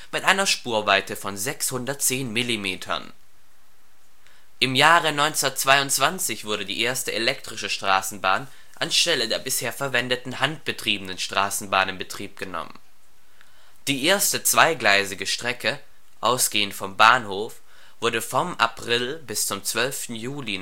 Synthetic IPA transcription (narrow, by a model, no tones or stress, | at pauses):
mɪtʔaɪnɐʃpuːɐvaɪtəfɔnzɛkshʊndɐt̚t͡seːnmɪlimeːtʰɐ̰n | ʔɪmjaːʁənɔʏnt͡sɐtt͡sv̥aɪʊntt͡sv̥ant͡sɪçv̥ʊɐɾədḭːʔeːɐstəelɛk̚tʁ̥ɪʃəʃtʁ̥aːsn̩baːn | ʔansʃtɛlədeːɐbɪsheːɐfɛɐvɛndətn̩hant̚b̥ətʁ̥iːbənənʃtʁ̥aːsn̩baːnɪmbətʁ̥iːp̚ɡ̥ənɔ̰mə̰n | d̥iːʔeːɐstət͡sv̥aɪɡlaɪzɪɡəʃtʁ̥ɛkə | ʔaʊsɡ̥eːəntfɔmbaːnhoːf | v̥ʊɐdəfɔmʔa̰pʁ̥ɪlbɪst͡sʊmt͡sv̥œlftn̩juːli